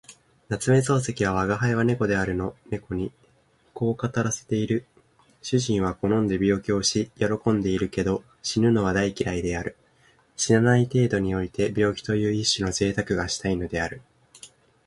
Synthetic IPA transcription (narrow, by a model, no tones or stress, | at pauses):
nat͡sɨme̞zo̞ːse̞kʲiβ̞aβ̞aɡaɦaiβane̞ko̞d̪e̞aɾɯ̟no̞ne̞ko̞ɲ̟i | ko̞ːkat̪aɾase̞̥t̪e̞iɾɯ̟ | ɕɨʑĩɰ̃β̞ako̞nõ̞nd̪e̞bʲjo̞ːkʲio̞ɕijo̞ɾo̞kõ̞nd̪e̞iɾɯ̟ke̞d̪o̞ | ɕinɯ̟no̞βad̪aikʲiɾaid̪e̞aɾɯ̟ | ɕinanait̪e̞ːd̪o̞ɲ̟io̞it̪e̞bʲo̞ːkʲi̥t̪o̞jɯ̟ːiɕːɨno̞ze̞ːt̪akɯ̟ɡaɕi̥t̪aino̞d̪e̞aɾɯ̟